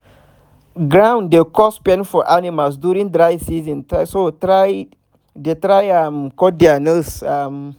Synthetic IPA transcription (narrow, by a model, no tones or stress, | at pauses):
ɡɹãw̃ndekɔspɛ̃nfɔʔanimals̬djuɾĩŋdɹajsizĩntasotɾaj | detɾajamkɔdianəsam